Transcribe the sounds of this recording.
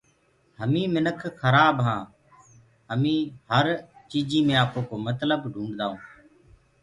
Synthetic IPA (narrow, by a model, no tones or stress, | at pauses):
həmĩːmɪnəkʰxʰəɾaːbɦãː | ɦəmĩːɦəɾt͡ʃiːd͡ʒiːmẽːaːkoːkoːmət̪ləbɖʱũːɳɖd̪aːũː